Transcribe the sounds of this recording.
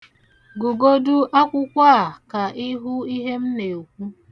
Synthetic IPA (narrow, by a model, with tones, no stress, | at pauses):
ɡu˨ɡo˦dʊ˦ʔa˦kʷʊ˦kʷa˦a˨ka˨ʔɪ˦ɦʊ˦i˦ɦe˦m̩˦ne˨o˨kʷu˦